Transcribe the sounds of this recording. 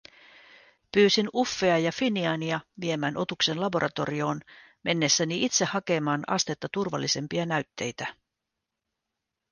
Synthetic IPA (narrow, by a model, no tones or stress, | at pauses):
pyːsinufːe̞ɑjɑfiniɑːniɑʋie̞mæːnʔo̞t̪ukse̞nlɑbo̞ɾʔɑt̪o̞̰ɾio̞ːnme̞nːe̞sːæniit̪se̞hɑke̞mɑːnɑ̰st̪e̞t̪ːɑt̪urʋɑlːise̞mpiɑnæɥt̪ːe̞jt̪æ